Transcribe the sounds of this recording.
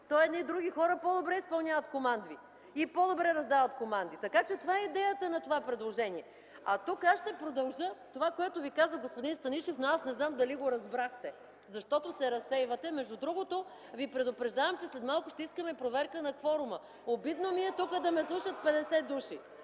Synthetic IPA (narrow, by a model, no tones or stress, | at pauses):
t̪ɔɛd̪nid̪ɾuɡʲixɔɾəpod̪obɾɛispɐlˠnʲavət̪komand̪vi | ipod̪obɾɛɾɐzd̪avət̪komand̪it̪ɐkat͡ʃɛt̪ovaɛid̪ɛjət̪ənɐt̪ovapɾɛd̪lˠoʒɛniɛ | ɐt̪ukasʃt̪ɛpɾod̪ɐlˠʒət̪ovakoɛt̪ovikazəɡospod̪inst̪ɐniʃɛfnoasnɛznamd̪ɐliɡoɾɐzbɾaxt̪ɛ | zɐʃt̪ɔt̪osɛɾɐsɛjvɐt̪ɛmɛʒd̪ud̪ɾuɡot̪o | vipɾɛd̪ʊpɾɛʒd̪avəmt͡ʃɛslɛt̪malˠkʊʃt̪ɛiskəmɛpɾovɛɾkənɐxfɔɾʊmə | obid̪nomiɛt̪ukəd̪ɐmɛslˠuʃət̪̚pɛd̪ɛsɛd̪uʃi